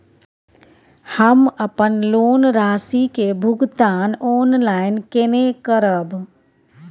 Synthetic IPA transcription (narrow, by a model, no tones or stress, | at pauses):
həməpənloːnɾaːsikebʱʊɡt̪aːnɔːnlaːɪnkenekəɾəb